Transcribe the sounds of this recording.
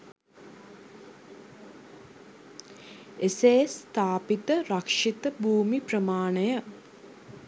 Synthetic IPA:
eseːst̪aːpit̪əɾakʂit̪əbʱuːmiprəmaːɳəjə

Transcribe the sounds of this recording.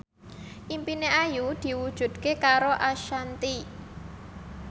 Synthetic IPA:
ʔimpineʔajud̪̥i̤wud̥ʒ̥ṳd̪̥̚kekaɾoʔaʃant̪i

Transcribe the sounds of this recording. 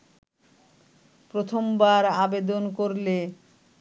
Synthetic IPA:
pɾot̪ʰombaɾabed̪onkoɾle

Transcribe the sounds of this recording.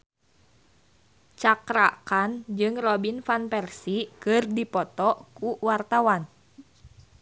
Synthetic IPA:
t͡ʃakɾakand͡ʒɨŋrɔbinfanpɛrsikɨrdipɔt̪ɔkuwart̪awan

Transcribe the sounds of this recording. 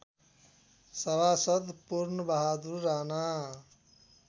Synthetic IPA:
sɐbaːsəd̪puɾnəbaɦad̪uɾːaːna

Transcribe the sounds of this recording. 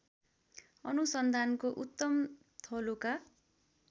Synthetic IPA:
ʌnusʌnd̪ʱankoʔut̪ːʌm | t̪ʰʌluka

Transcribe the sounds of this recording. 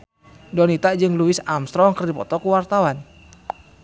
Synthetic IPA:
dɔnit̪ad͡ʒɨŋluɪsamst̪ɾɔŋkərdipɔ̰t̪ɔkuwart̪awan

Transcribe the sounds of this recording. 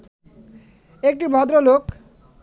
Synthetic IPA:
ek̚ʈibʱɔd̪ɾolok

